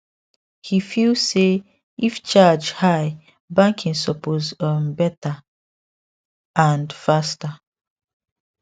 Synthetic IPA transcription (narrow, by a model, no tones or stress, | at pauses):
hifilse | ift͡ʃad͡ʒhaj | bãŋkʰĩŋsɔpozəmbɛta | ãndfasta